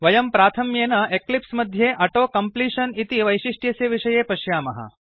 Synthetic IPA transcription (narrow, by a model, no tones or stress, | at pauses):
ʋɐjɐmpɾaːt̪ʰɐmjeːnɐeklipsmɐd̪ʱjeːʔɐʈoːkɐmpliːʂɐnit̪iʋɐjʃiʂʈjɐseʋiʂɐjeːpɐʃjaːmɐɦɐ̰